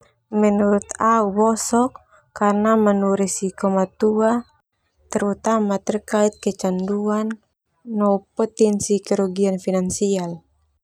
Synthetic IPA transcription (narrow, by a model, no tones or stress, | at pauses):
mɛnuɾut̪aubɔsɔkː | arnamanuɾisikɔmat̪ua | t̪ɛɾut̪amat̪ɛrkait̪̚kɛt͡ʃanduanː | ɔupɔt̪ɛnsikɛɾuɡianfinansial